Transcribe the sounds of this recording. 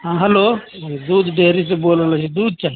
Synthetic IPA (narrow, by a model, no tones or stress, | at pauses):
ɦãːɦɐloːd̪uːd̪ɖeːɾis̬eboːlːlat͡ʃʰid̪uːd̪̚t͡ʃaːɦi